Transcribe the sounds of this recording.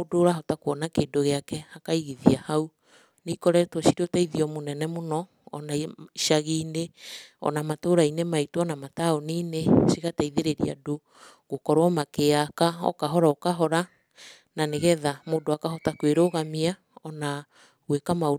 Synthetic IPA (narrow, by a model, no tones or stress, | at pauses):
doɾaɦɔtakoɔnakeːndoɣeakɛhakaiɣiðiahau | nikɔɾɛtoʃiɾotaiðiɔmonɛnɛmonɔ̰ː | naiʃaɣiːneɔ̰namatoɾainemaitwɔnamataoniːneʃiɣataiðeɾeɾḭa̰do | ɣokɔɾwɔmakeakaɔ̰kaɦɔɾaokaɦɔɾa | naneɣɛðamoːdoakaɦɔtakweɾoɣamia | ɔna | ɣwekamao